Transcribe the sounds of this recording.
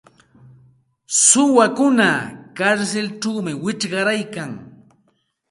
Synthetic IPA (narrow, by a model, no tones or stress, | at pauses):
sʊwakʊnakaɾselʈ͡ʂawmɪwɪt͡ʃɢɑɾajkaŋ